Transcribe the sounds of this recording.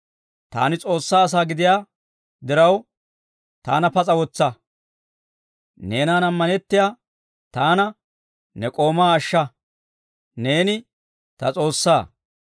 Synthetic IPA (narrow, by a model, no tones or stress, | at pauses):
t̪a̰ːnɪt͡sʼo̞ːsːaːɐs̬aːɡɪd̪ɪjaː | d̪ɪɾɐw | t̪a̰ːnɐpɐt͡sʼɐwɔt͡sːɐ | ne̞ːnaːnɐmːɐnɛt̪ːɪjaː | t̪aːnɐ | nɛkʼo̞ːmaːʃːɐ | ne̞ːnɪ | t̪ɐt͡sʼo̞ːsːaː